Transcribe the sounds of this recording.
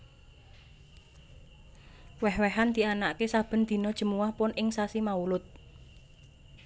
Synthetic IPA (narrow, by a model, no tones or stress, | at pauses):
wɛhwɛɦand̪̥i̤anaʔkesab̥ə̤nd̪̥i̤nɔd̥ʒ̥ə̤muwahpʊnʔɪŋsasimaulʊt̪̚